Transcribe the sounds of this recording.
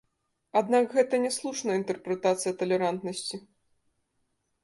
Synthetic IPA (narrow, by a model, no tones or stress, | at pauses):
ad̪nakɣɛt̪ɐnʲɛslˠuʂnɐint̪ɛrpɾɛt̪at̪sɨjɐt̪ɐlʲɛɾant̪nɐsʲt͡sʲi